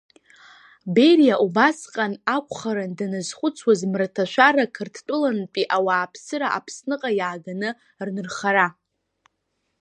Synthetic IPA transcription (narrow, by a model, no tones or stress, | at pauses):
be̞rijaʔubasqʼanakʷʰʼχaɾɨndanɨzχʷʊt͡sʰwazmratʰaʃʷᶣarakʰɨrtʰt͡pʷʼʊlanpʼiʔawaːpʰsɨɾaʔa̰pʰsnɨqʼajaːɡanɨ | rnɨrχaɾa